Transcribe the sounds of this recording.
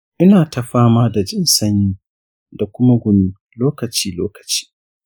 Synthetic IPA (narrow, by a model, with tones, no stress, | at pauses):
ʔɪ˦naː˨ta˨ɸaː˦maː˦da˨d͡ʒɪ˦nsɐ˦ɲjiː˦ | da˨kʷʊ˦ma˦ɡʷʊ˨ni˦ | loː˦kɐ˨t͡ʃiː˦loː˦kɐ̥˨t͡ʃi̥ː˦